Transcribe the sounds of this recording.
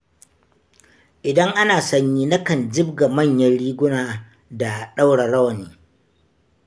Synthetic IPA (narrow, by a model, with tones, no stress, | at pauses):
ʔɪ˨dɐ˦ŋʔa˦naː˨sɐ˦ɲjiː˦nɐ˦kɐ˨nd͡ʒɪ˦bɡa˨mɐ˦˨ɲjɐ˦nɽiː˦ɡʷʊ˦naː˨ | da˨ɗa˦wɽa˨ɾɐ˦wɐ˨niː˨